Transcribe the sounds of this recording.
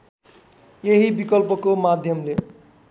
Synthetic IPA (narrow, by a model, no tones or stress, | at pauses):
jeɦibikʌlpʌkomad̪ʱjʌmle